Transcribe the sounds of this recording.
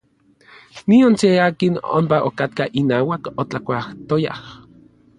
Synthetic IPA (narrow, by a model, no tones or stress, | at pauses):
nionseaːkino̰mpaʔo̰kat̪̚kaʔinaːwakot͡ɬakʷaht̪oja̰h